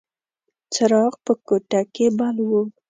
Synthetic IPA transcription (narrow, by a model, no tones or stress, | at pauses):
t͡saɾɑpəkoʈakebalwu